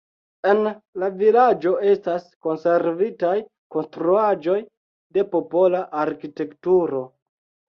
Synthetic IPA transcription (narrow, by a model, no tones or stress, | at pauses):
e̞nlavilad͡ʒo̞e̞stasko̞nse̞ɾvitaj | ko̞nstɾuad͡ʒo̞j | de̞po̞po̞laʔaɾkite̞ktuɾo̞